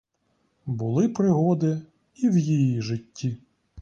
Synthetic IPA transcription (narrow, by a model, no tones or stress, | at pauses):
bʊlˠɪpɾɪɦɔd̪ɪ | iwjijiʒɪtʲːi